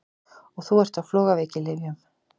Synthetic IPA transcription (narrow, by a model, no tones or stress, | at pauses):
ɔɣθuɛɾ̥t̪awflɔːɣaveːcɪlɪɣav